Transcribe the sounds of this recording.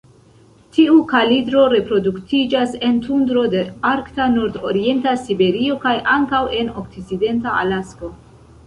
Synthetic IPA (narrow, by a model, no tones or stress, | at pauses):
tʰiukalidɾo̞ɾe̞pɾo̞duktid͡ʒase̞ntundɾo̞de̞aɾktanoɾdo̞ɾie̞ntasibe̞ɾio̞kajʔaŋkawe̞no̞kt͡sit͡side̞ntaʔa̰lasko̞